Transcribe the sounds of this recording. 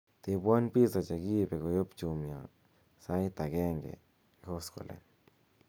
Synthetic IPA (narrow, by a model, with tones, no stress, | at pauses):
t̪i˧ba˦npi˦sa˨t͡ʃe˨ɡi˦be˨ko˨jo˦pt͡ʃu˧mja̰˨ | sa˦jt̪a˨ɡe˦ŋɡḛ˨ | ko˦sko̰˨lʔḛ˨n